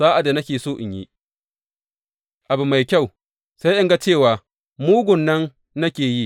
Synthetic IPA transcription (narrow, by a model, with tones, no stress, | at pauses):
zaː˦ʔa˨da˨nɐ˦kʲeː˨soː˦ʔɪ˨ɲjḭ˦ | ʔa˨bu˨ma˨jkʲa˦˨w | sa˦jʔɪ˦ŋɡa˦t͡ʃeː˦˨waː˨ | muː˦ɡʷʊ˨nːɐ˦nː | ɐ˦kʲeː˨ji˦˨